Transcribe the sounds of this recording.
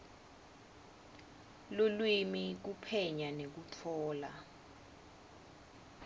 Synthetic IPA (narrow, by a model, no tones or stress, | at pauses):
lolwimik̬upʰɛɲanek̬ut͡fʰɔːla